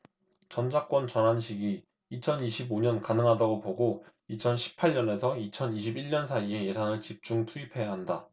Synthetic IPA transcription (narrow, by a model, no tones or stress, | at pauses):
t͡ɕʌnd͡ʑak͈wʌnt͡ɕʌnɦanɕʰiɡi | it͡ɕʰʌniɕʰiboɲʌnkanɯŋɦadaɡopoɡo | it͡ɕʰʌnɕʰi̥pʰaɭɲʌne̞sʰʌit͡ɕʰʌniɕʰibiɭɲʌns̬ʰaie̞je̞sʰaŋɯɭt͡ɕip̚t͡ɕ͈uŋtʰuipʰe̞jaɦanda